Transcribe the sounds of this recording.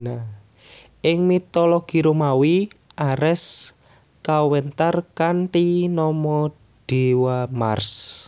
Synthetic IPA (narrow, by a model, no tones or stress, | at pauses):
nah | ʔɪŋmit̪ɔlɔɡ̥i̤ɾumawiʔaɾɛs | kawɛnt̪arkaɳʈinɔmɔ | ɖ̥ewama̰rs